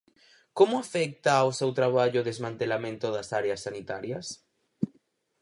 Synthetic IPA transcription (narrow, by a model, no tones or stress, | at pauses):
komoafɛk̚t̪aːwsewt̪ɾaβ̞aʎoðezmãnt̪elamẽnt̪oðasaɾeɐsːanit̪aɾjɐs